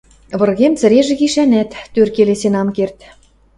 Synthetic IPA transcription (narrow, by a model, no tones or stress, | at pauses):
βɤ̆rɣemt͡sɘ̆ɾeʒĕɣiʃænæt̪ːørkelesenɑmkert̪